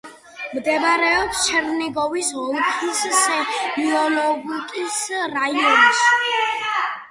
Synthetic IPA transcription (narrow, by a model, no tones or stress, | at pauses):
md̪ɛbɾɛɔpst͡ʃʰɛɾnɛɡɔvisɦɔlˠkʰissɛbiɔlɔɡikʼisɾaiɔns